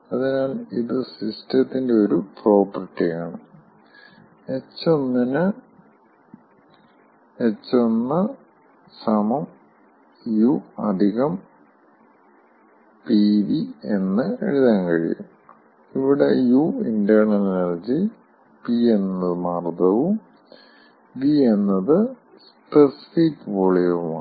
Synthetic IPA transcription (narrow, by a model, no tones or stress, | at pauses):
ɐðinaːliðɨsistɐt̪ːinde̞o̞ɾupro̞ːpɐrʈːijaːɳɨ | et͡ɕːonːɐnɨ | et͡ɕːonːɐ | sɐmɐm | juɐ̰d̪ʱiɣɐm | piːdie̞nːɨeɻiðaŋkɐ̰ɻḭjṵ | iʋiɽejuindɐrɳɐlnɐrd͡ʑi | pienːɐðɨmaːrd̪ɐʋum | bienːɐðɨ | s | pesi̥fikʋoɭijɐʋuma̰